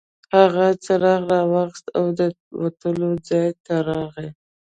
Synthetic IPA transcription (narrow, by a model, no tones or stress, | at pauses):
haɣat͡saɾɑɣɾɑwaxst̪awd̪ə | wat̪əlod͡zɑjt̪aɾɑɣe